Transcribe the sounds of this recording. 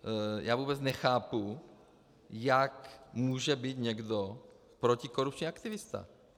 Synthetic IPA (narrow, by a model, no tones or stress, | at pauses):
ja̰ːvuːbɛt͡snɛxaːpu | jakmuːʒɛbiːt̪ɲɛɡdo | pɾo̞cɪko̞ɾup̚t͡ʃɲiakt̪ɪvɪst̪a̰